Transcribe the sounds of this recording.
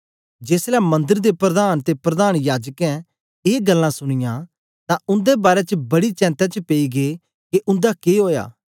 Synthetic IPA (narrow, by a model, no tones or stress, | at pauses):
d͡ʒeːslɛmɐ̃nd̪əɾd̪epɾɐd̪aːnt̪epɾɐd̪aːñjaːd͡ʒəkɛ̃ | eːɡɐlːãsʊɽ̃ɪjã | t̪ãʊ̃nd̪ebaːɾɛt͡ʃəbɐɽit͡ʃɛ̃ːnt̪ɛt͡ʃəpeiɡe | keʔʊ̃nd̪akeɦoːja̰ː